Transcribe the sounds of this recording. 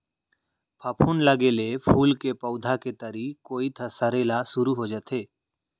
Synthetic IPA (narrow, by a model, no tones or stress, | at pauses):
pʰəpʰunləɡelepʰuːlkepəʊd̪ʱaket̪əɾikoːit̪ʰɐsəɾeːlasʊɾuɦod͡ʒaːt̪ʰeː